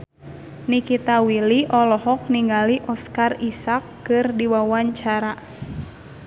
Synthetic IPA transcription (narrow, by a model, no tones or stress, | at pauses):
nikit̪awiliʔɔlɔhɔk̚niŋɡaliʔɔskarisakːɨrdiwawaɲt͡ʃaɾa